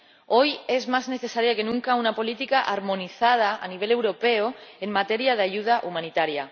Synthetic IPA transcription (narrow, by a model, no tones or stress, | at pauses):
ojezmazneθesaɾjakenũŋkaunapo̞lit̪ikaʔaɾmõniθað̞aa̰niβ̞ele̞wɾopeoemːat̪eɾjaðaʝuð̞aʔumãnit̪aɾja